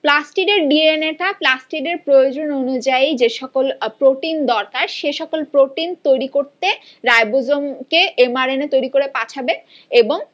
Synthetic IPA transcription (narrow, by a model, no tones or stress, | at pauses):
plasʈiʈeɾɖieneʈaplasʈiʈeɾpɾojod͡ʑononud͡ʑaid͡ʑeʃɔkolpɾoʈind̪ɔɾkaɾʃeʃɔkolpɾoʈint̪ojɾikoɾt̪e | ɾajbod͡ʑomkeʔemaɾenet̪ojɾikoɾepatʰabe | eboŋ